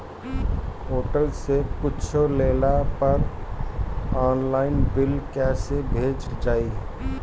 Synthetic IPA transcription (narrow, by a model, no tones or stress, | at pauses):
ɦoːʈəlsepʊt͡ʃʰoleːlapəɾ | ɔːnlaːɪnbɪlkɛːsebʱeːt͡ʃd͡ʒaːi